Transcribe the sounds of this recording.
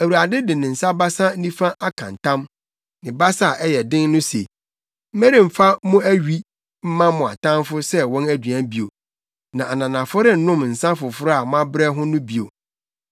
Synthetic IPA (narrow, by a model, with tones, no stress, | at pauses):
æ˨wu˨ɾa˨dɪ˦dɪ˨nɪ̃˨n̩˨sa˦ba˦sa˦n̩˦nĩ˦fã˦ʔa˦kʰã̰˨n˨tã˦m | nɪ̃˨ba˦sa˦˨ʔɛ˦jɛ˨dɪ̃˦nːʊ̃˦se˨ | m̩˦me˦ɾĩ˨m̩˨fa˦mʊ̃˦æ˦ɥi˦ | m̩˦mã˦mʊ̃˨a̰˨tʰã˦mfʊ˦sɛ˦wɔ̃˦næ˦dɥã˦bi˨o˨ | nã˨ʔa˨nã˨nã˨fʊ˦ɾɪ˦nʊ̃˦mn̩˨sã˦fʊ˨fʊ˦ɾa˨mʊ̃˦a˦bɾɛ˦ɦʊ̃˦nʊ̃˦bi˨o˨